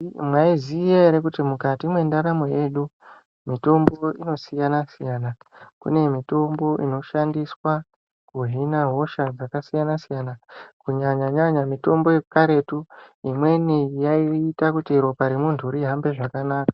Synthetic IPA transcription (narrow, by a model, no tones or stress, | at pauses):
mwaizijaeɾekutimukatimwe̞ndaɾamoje̞ːɗu | mito̞mbo̞ino̞sijanasijaːnakṵne̞mito̞mbo̞ʔḭno̞ʃandiswa | kuɦinaɦo̞ʃad͡zakasijanasijanakuɲaɲaɲaɲamito̞mbo̞jekukaɾe̞tuimwe̞nijaiːtakutiɾo̞paɾemuntʰuuɾiɦambe̞ʐakanaːkḁ